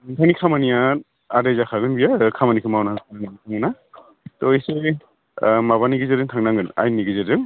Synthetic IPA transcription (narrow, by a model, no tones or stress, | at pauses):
ŋtʰanikʰamanija | adezakʰaɡɯnbijakʰamanikʰɯmawnatʰanaŋanitʰaŋɯna | tɔjse | maβaniɡizeɾɯŋtʰaŋnaŋɡɯna̰jnːiɡizezɯŋ